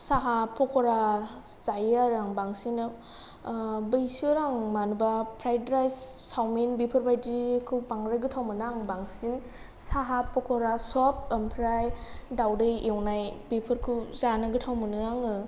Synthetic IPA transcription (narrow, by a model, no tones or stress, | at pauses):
saɦapʰɔkʰɔɾa | z̥ajɯaɾaŋbaŋsinɯ | bɯjsiɔɾaŋmanubapʰɾajdɾajssawminbipʰɯɾbajdikʰɯwpaŋɾɯɡɯtʰawmɯnaŋbaŋsin | saɦapʰɔkʰɔɾasɔp̚ɯmpʰɾajdawdɯjewnajbipʰɯɾkʰɯzanɯɡɯtʰawmɯnɯaŋɯ